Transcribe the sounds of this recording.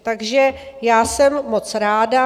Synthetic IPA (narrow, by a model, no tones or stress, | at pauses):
t̪aɡʒɛ | jaːsɛmːo̞t͡sɾaːda